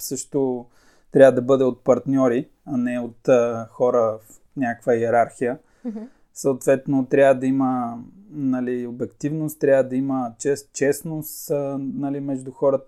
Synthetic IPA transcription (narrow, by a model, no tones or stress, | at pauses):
sɤʃt̪o | t̪ɾʲavəd̪ɐbɤd̪ɛot̪̚pɐɾt̪nʲɔɾi | ɐnɛot̪ːxɔɾəf | nʲakvəjɛɾaɾxijə | səːt̪vɛt̪not̪ɾʲjavəd̪ɐimə | nɐliobɛkt̪ivnost̪t̪ɾʲjavəd̪ɐimət͡ʃɛst͡ʃɛsnost̪nɐlimɛʒd̪uxɔɾət̪